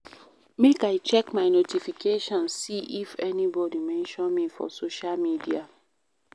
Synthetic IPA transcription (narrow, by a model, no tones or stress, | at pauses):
mekaɪt͡ʃɛkmaɪnotifikʰeʃɔ̃nssiʔifɛnibɔdimɛ̃nʃɔ̃nmifɔ̰soʃalmidia